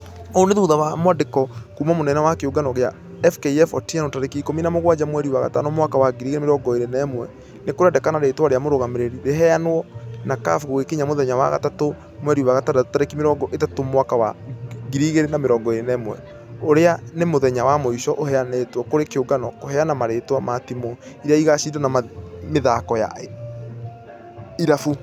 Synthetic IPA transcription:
ɔoneðuuðawamwadekɔkuːmamonɛnɛwakeoɡanɔɣea | ɛfkeiɛfɔtianotaɾekikominamoɣwad͡ʑamwɛɾiuwaɣa̰ta̰nɔmwakawaɡiɾiːɣeɾemeɾɔːŋɡɔeɾenɛmwɛ̰ | nekoɾeɛdɛkanaɾetoaɾeamoɾoɣameɾeɾiɾeɦɛanwɔnaka̰fɣoɣekeɲamoðɛɲawa̰ɣa̰tato | mwɛɾiuwaɣataɾatotaɾekimeɾɔːŋɡɔʔetatomwakawa̰ɡiɾiɣeɾenameɾɔːŋɡɔeɾenɛmwɛ | oɾeanemoðɛɲawamoiʃɔʔohɛanɛtwɔkoɾekeoɡanɔkoɦɛanamaɾeːtwamatimɔ | iɾeaiɣasiːdanamameðakɔja̰e | iɾafu

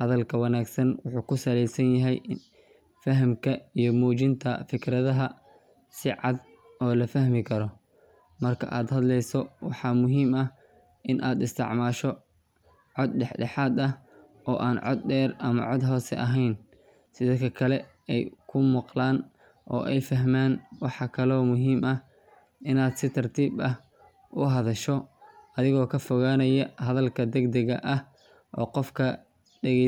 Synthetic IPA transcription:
hɐðɐlkʰɐwɑnaːɡsɐnwʊħuːkʰʊsɐlɛjsɐnjɐɦɛjn | fɐɦɐmkʰɐijɔmuːt͡ʃɪnt̪ʰɐfɪkʰɾɐðɐɦɐ | sɪʕɑd̪ | ɔːlɐfɐhmɪkʰɐɾɔ | mɐrkʰɐ̰ʔaːd̪hɐd̪lɛjsɔwɑħɑːmʊɦiːmɐh | ʔɪnʔaːd̪ɪst̪ʰɪ̰ʕmaːʃɔ | ʕɔd̪ɖɛħɖɛħɑːd̪ɐh | ʔɔːʔaːnʕɔ̰d̪̚ɖɛːrʔɐmɐ̰ʕɔd̪ɦɔːsɛ̰ʔɐɦɛjn | sɪðɐkʰɐkʰɐlɛ | ɛjkʰʊmʊqlaːn | ʔɔ̰ːʔɛjfɐɦmaːnwɑħɑkʰɐlɔːmʊɦiːmɐh | ɪnaːd̪sɪt̪ʰɐrt̪ʰiːbɐh | ʔʊɦɐðɐʃɔɐðɪɣɔːkʰɐfɔɣaːnɐjɐhɐðɐlkʰɐd̪ɛɡd̪ɐɣɐ̰ʔɐh | ʔɔːqɔfkʰɐ | ɖɛɣɛ

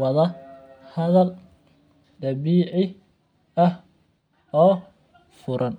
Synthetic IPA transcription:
wɐðɐ | hɐðɐl | ɖ̪ɐβiːʕɪ | ɐh | ɔː | fʊɾʔɐn

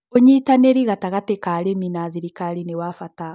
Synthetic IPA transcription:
oɲitaneɾiɣataɣatekaɾeminaðiɾikaɾinewafata

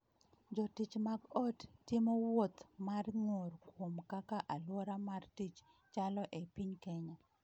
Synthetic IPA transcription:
d͡ʒɔtit͡ʃmaɡɔtːɪmɔwot̪marŋorkwomkakaʔalwɔɾamartit͡ʃ | t͡ʃalɔʔepiɲkɛɲa

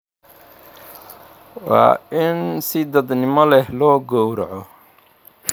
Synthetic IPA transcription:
wɑ̰ːɪnsɪd̪ɐd̪nɪmɐlɛhlɔːɡɔwɾɐʕɔ

